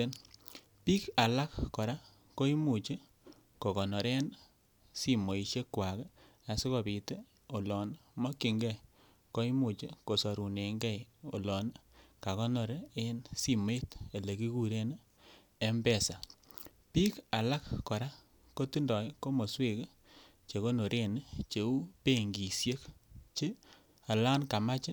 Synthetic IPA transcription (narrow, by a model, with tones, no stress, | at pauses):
e˦n | pi˦ka˨la˦kkɔ˨ɾa˦ | ko˦i˦mu˨t͡ʃe˦ | ko˨kɔ˨nɔ˨ɾe˦n | si˦mo˨i˨ʃe˦kwa˨k | a˨si˦ko˨bi˨te˦ | o˨lɔ˨nmo˦ki˨ŋɡɛ˦˨ | ko˦i˦mu˨t͡ʃe˦ko˨sɔ˨ɾu˨ne˨ŋɡɛ˦jo̰˨lɔ˨nka˨kɔ˦nɔ˨ɾe˦e˦nsi˦m˦e˦te˨le˨ki˦ku˦ɾe˦n˦ | e˦mbɛ˦˨sa˨ | pi˦ka˨la˦kkɔ˨ɾa˦ | ko˦ti˦ndɔ˨˦ko˦mo˨swe˦ke˦ | t͡ʃe˨ko˦no˨ɾʔe˦n˦t͡ʃe˨u˦pe˦ŋɡi˨sje˦kt͡ʃe˦ | a˨la˦nka˨ma˦t͡ʃɪ˦